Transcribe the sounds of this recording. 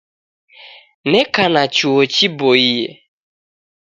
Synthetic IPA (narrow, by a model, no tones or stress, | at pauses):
nɛkanat͡ʃuot͡ʃiboijḛ